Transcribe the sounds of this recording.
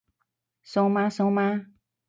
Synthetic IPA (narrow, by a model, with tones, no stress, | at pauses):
sõ˧˦mã˦sõ˧˦mã˦